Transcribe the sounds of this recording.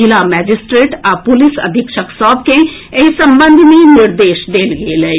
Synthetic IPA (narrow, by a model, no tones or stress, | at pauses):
ɪlaːmɛːd͡ʒɪsʈɾeːʈapʊlɪsə̰d̪ʱɪkʃəksɔːb̚kẽesə̃mbə̃nd̪ʱniːnɪɾd̪eːʃd̪eːlɡeːlɛeː